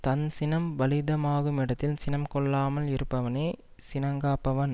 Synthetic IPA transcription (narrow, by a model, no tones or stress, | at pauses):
t̪ɐnsɪnɐmʋɐlɪðɐmaːɣɯmɪɽɐt̪ːɪlsɪnɐmkɔɭːaːmɐlɪɾɯpːɐʋɐneː | sɪnɐŋɡaːpːɐʋɐn